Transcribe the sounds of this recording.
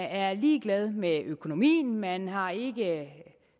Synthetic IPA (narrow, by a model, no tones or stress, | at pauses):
æɐliːɡ̥lɛð̞ˠmeʔøkʰo̝no̝mḭːn̩mænɦɑ̈e̝ɡ̥ə